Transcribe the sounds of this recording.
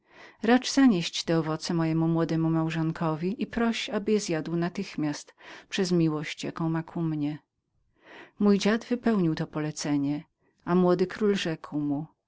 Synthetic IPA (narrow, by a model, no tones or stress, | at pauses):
ɾat͡ʂzaɲeɕt͡ɕt̪ɛɔvɔt̪sɛmɔjɛmumwɔd̪ɛmumawʐɔŋkʰɔvʲiʔipɾɔɕabɘjɛzjad̪wnat̪ɘxmʲjast̪pʂɛzmʲiwɔɕt͡ɕja̰kɔ̃w̃makʰumɲɛ | mujd͡ʑad̪vɘpɛwɲiwt̪ɔpɔlɛt̪sɛɲɛ | amwɔd̪ɘkɾulʐɛkwmu